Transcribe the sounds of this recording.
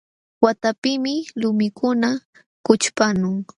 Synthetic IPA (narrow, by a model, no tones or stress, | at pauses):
wat̪apɪmɪlʊmɪkʰʊna | kʊt͡ʃpanʊŋ